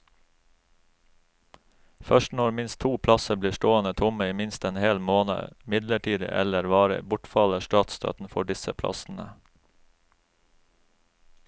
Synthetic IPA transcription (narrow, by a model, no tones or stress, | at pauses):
fœʃtnɔɾmɪnst̪ʰuːpʰlɑsəbliːʃʈoːənət̪ʰʊməiːmɪnst̪eːnheːlmoːnə̰mɪd̪ləʈʰiːd̪ɪ̰ʔɛ̰ləɾʋɑːɾə̰bʊʈfɑləʃʈɑːt̪st̪ʰɑ̰ːt̪n̩fɔɖɪsəpʰlɑ̰sn̩ə̰